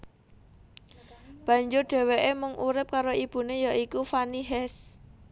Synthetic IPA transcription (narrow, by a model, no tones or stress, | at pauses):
b̥ä̤ɲd͡ʒʊrɖ̥ɛ̤weʔemʊŋʔuɾɪp̚kaɾoʔib̥ṳnejaʔikufaniɦɛs